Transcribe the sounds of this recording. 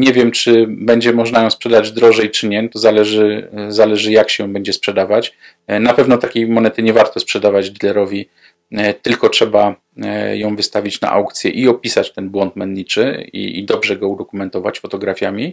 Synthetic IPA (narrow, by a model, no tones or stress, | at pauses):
ɲɛvʲjɛmt͡ʂɘbɛɲd͡ʑɛmɔʐnajɔ̃w̃spʂɛd̪ad͡ʑd̪ɾɔʐɛjt͡ʂɘɲɛt̪ɔzalɛʐɘzalɛʐɘjakɕɛjɔ̃w̃bɛɲd͡ʑɛspʂɛd̪avat͡ɕ | napɛvn̪ɔt̪akʲejmɔnɛt̪ɘɲɛvaɾt̪ɔspʂɛd̪avad͡ʑɡʲilɛɾɔvʲi | t̪ɘlkɔtʂɛba | jɔ̃w̃vɘst̪avʲit͡ɕna̰ʔa̰wkt̪sʲjɛ̰ʔiɔpʲisat͡ɕt̪ɛnbwɔnt̪̚mɛnɲit͡ʂɘḭḭd̪ɔbʐɛɡɔud̪ɔkumɛnt̪ɔva̰t͡ɕfɔt̪ɔɡɾafʲjamʲi